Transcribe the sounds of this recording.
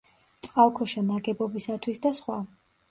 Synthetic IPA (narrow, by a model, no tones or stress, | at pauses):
t̪sʼqʼalˠkʰɔʃanaɡɛbɔbisat̪ʰwisd̪asχwa